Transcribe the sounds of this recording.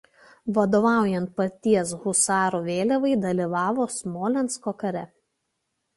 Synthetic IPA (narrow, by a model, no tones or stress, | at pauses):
ʋɐd̪oːʋɑˑʊjɛnt̪̚pɐt̪ʲiɛs̬ɣʊsɑːɾoʋʲeːlʲɛʋɐɪd̪ɐlʲiːˑʋɑːʋoːsmoːlʲɛnskoːkɐɾʲɛ